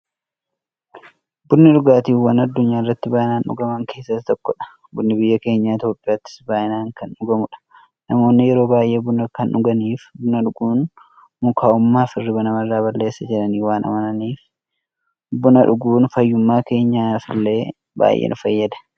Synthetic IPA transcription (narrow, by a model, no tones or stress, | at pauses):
bʊnːɪᶑʊɡaːt̪iːfwːɐnɐd̪ːʊɲːaːɪrːɐt̪ːɪbaːʔɪnaːnʔʊ̰ɡɐmɐŋke̞ːsːɐt̪t̪ɔkːɔᶑɐ̥ | bʊnːɪbɪjːɐke̞ːɲːaːɪt̪jo̞ːpʼːɪjaːt̪ːɪ̥sbaːʔɪnaːŋkɐnʊɡɐmʊᶑɐ̥ | nɐmo̞ːnːɪjɛɾo̞ːbaːje̞ːbʊnɐkɐnʔʊɡɐniːfbʊnɐᶑʊɡuːn | mʊkʰaːʔʊmːaːfɪrːɪbɐnɐmɐrːaːβɐlːe̞ːsːɐd͡ʒɪɾɐniːwaːnʔɐ̰mɐnɐniːf | bʊnɐᶑʊɡuːnfɐjːʊmːaːke̞ːɲːaːfɪlːe̞ː | ba̰ːjʔḛːnʊfɐjːɐd̪ɐ̥